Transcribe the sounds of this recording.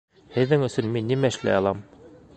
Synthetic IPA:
hɘ̆ðːɘŋɵ̆sɵnminːimæɘ̆ʃlæ̰jɑlˠɑm

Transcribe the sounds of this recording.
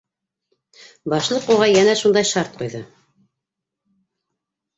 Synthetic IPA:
bɑʃlˠɤquʁɑjænæʃund̪ɑjʃɑɾt̪̚qujðɤ

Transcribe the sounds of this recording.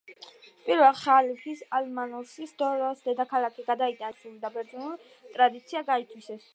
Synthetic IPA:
pʼiɾvɛlˠχalipʰisalmanɔɾʃisd̪ɔɾɔsd̪ɛd̪akʰalakʰiɡad̪ait̪ʼansulid̪abɛɾd̪zinuli | t̪ʼɾad̪it̪sʰiaɡait̪ʰwisɛs

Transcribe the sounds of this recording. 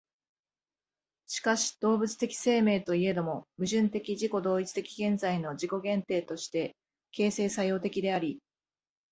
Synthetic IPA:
ɕi̥kaɕi̥d̪̥o̞ːbɯ̟t͡sɨ̥t̪e̞kʲi̥se̞ːme̞ːt̪o̞ie̞d̪omo̞mɯ̟ʑɨ̃nt̪e̞kʲiʑiko̞d̪o̞ːit͡sɨ̥t̪e̞kʲi̥ɡẽ̞nd͡zaino̞d͡ʑiko̞ɡẽ̞nt̪e̞ːt̪o̞ɕi̥t̪e̞ | ke̞ːse̞ːsajo̞ːt̪e̞kʲid̪e̞aɾʲi

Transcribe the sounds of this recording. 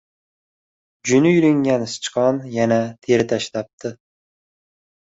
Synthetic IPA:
d͡ʒʊnɪjʊɾɪŋɡʲanst͡ʃqɒnjanat̪ʰeɾɪt̪ʰaʃlap̚t̪ʰɪ

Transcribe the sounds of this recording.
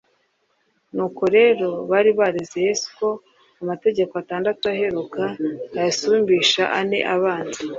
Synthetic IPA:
nuːko̞ɾe̞ːɾo̞βaɾiβaɾezejesko̞ | amate̞ɟe̞ko̞ataːndatuaɦe̞ɾukaajasuːmbiːʃaʔane̞̰ʔaβaːnzi

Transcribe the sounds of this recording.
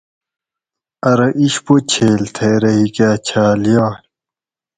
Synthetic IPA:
ɐɾɐʔiɕpot͡ɕʰeːlt̪ʰeːɾɐɦikaːt͡ɕʰaːlijaː

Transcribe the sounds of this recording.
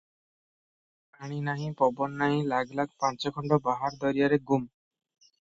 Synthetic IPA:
paɽ̃inaɦĩpɔbɔnːaɦĩlaɡlaɡ̚pãnt͡ʃɔkʰɔɳɖɔbaɦaɾd̪ɔɾijaɾeɡum

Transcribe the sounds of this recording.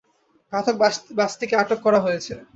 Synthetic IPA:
bʱat̪ʰok̚bast̪ikeaʈokːɔɾaɦojet͡ɕʰe

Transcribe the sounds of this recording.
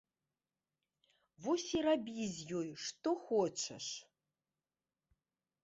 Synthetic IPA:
vosʲirabʲizʲjojʂt̪oxot͡ʃʰɐ̰ʂ

